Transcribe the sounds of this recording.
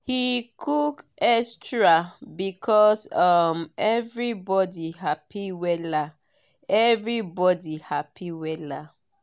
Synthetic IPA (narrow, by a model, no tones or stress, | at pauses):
hikʰukɛstɹabikʰɔsʌmɛvɹibɔdiɦapʰiwɛla | ɛvɹibɔdihapʰiwɛla